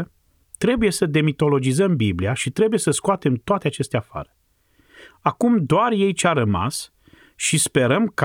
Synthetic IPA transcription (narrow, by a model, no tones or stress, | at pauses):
t̪ɾe̞buje̞səd̪e̞mit̪o̞lo̞d͡ʒizəmbibliaʃit̪ɾe̞buje̞səskoat̪e̞mt̪oat̪eat͡ʃe̞st̪eafa̰ɾə | akumd̪oarje̞jt͡ʃeaɾəma̰s | ʃispe̞ɾəmk